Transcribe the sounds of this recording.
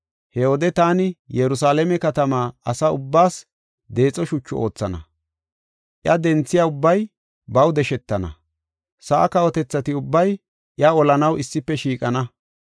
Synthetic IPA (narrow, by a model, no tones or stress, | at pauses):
hɛod̪ɛt̪aːnɪjɛɾʊsaːlɛmɛkɐt̪ɐmaːɐsɐʊbːaːs | d̪e̞ːt͡sʼɔʃʊt͡ʃːɔʔo̞ːt͡sːɐnɐ̰ | ʔjɐd̪ɛnt͡sːɪjaʊbːɐj | bɐwd̪ɛʃɛt̪ːɐnɐ̰ | sɐʔːkɐwɔt̪ɛt͡sːɐt̪ɪʊbːɐj | ʔjɐɔlɐnɐwʔɪsːɪpːɛʃiːkʼɐnɐ